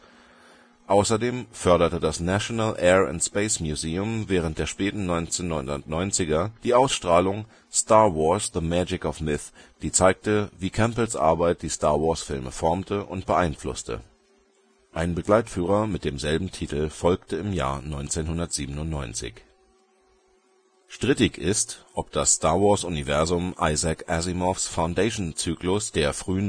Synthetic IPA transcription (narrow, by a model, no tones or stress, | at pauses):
ʔaʊsɐdeːmfœɐɾɐtədasnaʃonalʔɛːa̰ntspeɪsmjuzeːʊmvɛːʁ̞ənt̚d̥eːɐʃpɛːtn̩nɔʏnt͡seːnːɔʏnʊntnɔʏnt͡sɪɡɐd̥iːʔaʊsʃtʁ̥aːlʊŋ | staɐvɔɐsðəmɛd͡ʒɪkɔfmɪθd̥iːt͡saɪk̚təviːkʰɛmpl̩sʔa̰ɐbaɪt̚d̥iːstaːɐvɔɐsfɪlmə̰fɔɐmtʰəʔʊntb̥əʔaɪnflʊ̰stə̰ | ʔaɪnbəɡlaɪtfyːʁ̞ɐmɪt̚d̥eːmzɛlbm̩tʰitl̩fɔlktəɪmja̰ːɐnɔʏnt͡seːnhʊndɐtz̥iːbənʊntnɔ̰ʏnt͡sɪ̰ç | ʃtʁ̥ɪtɪçɪstʔɔp̚d̥asːtaːɐvɔɐsʊnivɛɐzʊmʔa̰ɪzakʔazimɔfsfaʊndeɪʃnt͡syːklʊsd̥eːɐfʁ̥yːən